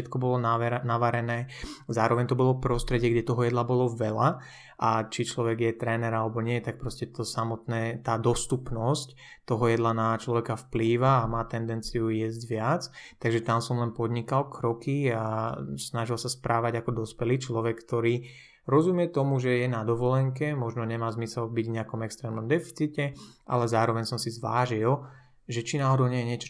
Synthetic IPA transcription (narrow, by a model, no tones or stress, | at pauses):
ɛt̪kɔbɔlɔnnaʋaɾɛnɛːzaːɾɔʋɛɲt̪ɔbɔlɔpɾɔst̪ɾɛɟɪɛɡɟɛt̪ɔɦɔjɛd̪labɔlɔʋɛla | ʔat͡ʃit͡ʃlɔʋɛɡjɛt̪ɾɛːnɛɾalɛbɔɲɪɛt̪ak̚pɾɔscɛt̪ɔsamɔt̪nɛːt̪aːd̪ɔst̪upnɔsc | t̪ɔɦɔjɛd̪lanat͡ʃlɔʋɛkafpliːʋaːmaːt̪ɛnd̪ɛnt͡sijujɛzɟʋɪat͡st̪aɡʒɛt̪amsɔmlɛnpɔd̪ɲikalkɾɔkiasnaʒilsaspɾʔaːʋaɟakɔd̪ɔspɛliːt͡ʃlɔʋɛkkt̪ɔɾiː | ɾɔzumɪjɛt̪ɔmuʒɛjɛnad̪ɔʋɔlɛŋkɛmɔʒnɔɲɛmaːzmisɛlbiɟvɲɛakɔmɛkst̪ɾɛːmnɔmd̪ɛfi̥t͡sicɛʔa̰lɛzaːɾɔʋɛɲsɔmsizʋa̰ːʒil | ʒɛt͡ʃinaːɦɔd̪ɔʊɲɛjɛɲɪɛt͡ʃɔ̥